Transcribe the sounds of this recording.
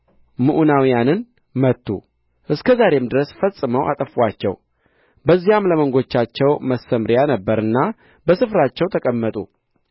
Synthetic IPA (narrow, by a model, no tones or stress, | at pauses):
mɨʔunawijanɨn | mət̪ʰːṵ | ʔɨskʰəzaɾe̞md̪ɨɾəsfəsʼːɨməwʔa̰t̪ʼəfat͡ʃːɛ̰w | bəzːijamləməŋɡo̞t͡ʃːat͡ʃːɛwməsəmɾjanəbːəɾɨnːa | bəsɨfɾat͡ʃːɛwt̪ʰəkʼəmːət̪ʼṵ